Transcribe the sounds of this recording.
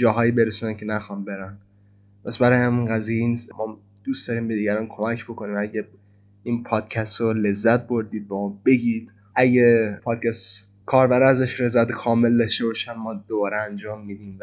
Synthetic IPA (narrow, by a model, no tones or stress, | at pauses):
d͡ʒɒːɦɒːjibe̞ɾesunæncʰe̞næxɒːnbe̞ɾæn | pʰæsbæɾɒjhæminɡæziːjeinismʔɒː | d̪̥uːst̪d̪ɒɾiːmbed̪iːɡɟæɾɔnkʰo̞mæcʰbo̞ko̞niːmæɟe | inpʰɒːd̪̥̚cʰæst̪ɾole̞zːæt̪̚bo̞ɾd̪iːd̪̚bæmɒbe̞ɟiːd̪ | ʔæɟepʰɒːd̪̥̚cʰæst̪ | kʰɒːɾbæɾæzæʃɾe̞zæt̪ʰkʰɒːme̞ld̪ɒʃt̪e̞bɒːʃænmɒːd̪̥obɒːɾeænd͡ʒɒːmːid̪iːm